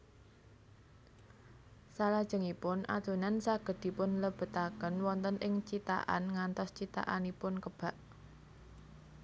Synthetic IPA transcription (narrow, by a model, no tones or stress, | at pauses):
salad̥ʒ̥ə̤ŋipʊnʔa̰d̪̥o̤nansaɡ̥ə̤d̪̥i̤pʊnləb̥ə̤t̪akənwɔnt̪ənʔɪŋt͡ʃit̪a̰ʔa̰nŋant̪ɔst͡ʃit̪a̰ʔa̰nipʊnkəb̥a̤ʔ